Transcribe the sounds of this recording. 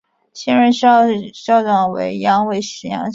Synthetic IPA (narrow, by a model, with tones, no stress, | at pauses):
ɕɛ˥nɻə˥nɕɕɑ˥˩ʊʈ͡ʂɑ˥˩ŋwḛ˧˥ɪjɑ˥ŋwe˥˩ɪʂɻ̩˧˥jɑ̰˧˥ŋ